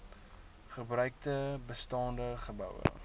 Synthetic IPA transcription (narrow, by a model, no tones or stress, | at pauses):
χəbrœɥk̚təbəstɑːndəχəbœ̰wə̰